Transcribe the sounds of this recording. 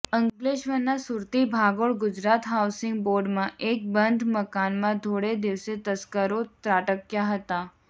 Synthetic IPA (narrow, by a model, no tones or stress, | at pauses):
əŋɡleɕʋənːasuɾt̪ibʱaɡoɭɡud͡ʑɾat̪ɦawsiŋɡ̚boɾɖmãʔek̚bənd̪ʱməkanmãt̪oɽed̪iʋset̪əskəɾot̪ɾaʈəkjaɦət̪a